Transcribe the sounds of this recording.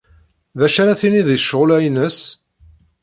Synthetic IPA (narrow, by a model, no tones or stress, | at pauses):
ðæʃænæθiniðiʃʁʊlæjnəs